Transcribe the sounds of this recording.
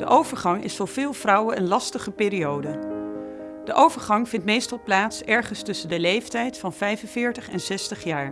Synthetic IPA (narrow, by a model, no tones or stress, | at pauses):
d̥əʔowvəɹχɑŋɪ̰sfʊːɹv̥ɪːlˠvrʌwənənlɑstəχəpɪːɾiowdə | d̥əʔowvəɹχɑŋvɪntmejstɑlˠplaːtsɛɹχənstɵsəndəlejftɛjtfɑnvɛjvənvɪːɹtəχɛnsɛstəχjaːɹ